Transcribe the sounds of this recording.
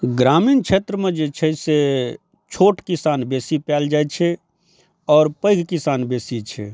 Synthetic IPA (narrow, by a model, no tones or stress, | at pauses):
ɡɾamiːnt͡ʃʰet̪ɾəmed͡ʒet͡ʃʰɛse | t͡ʃʰoʈkisanbesipɛld͡ʒajt͡ʃʰɛ | ɔːɾpəɪɡʱkisanbesit͡ʃʰɛ̰